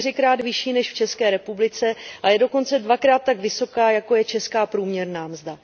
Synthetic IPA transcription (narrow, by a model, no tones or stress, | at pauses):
rɪkɾaːd̪vɪʃiːnɛʃft͡ʃɛskɛːɾɛpublɪt͡sɛʔajɛdo̞ko̞nt͡sɛdvakɾaːt̪ːaɡvɪso̞kaːjako̞jɛt͡ʃɛskaːpɾuːmɲɛɾnaːmzda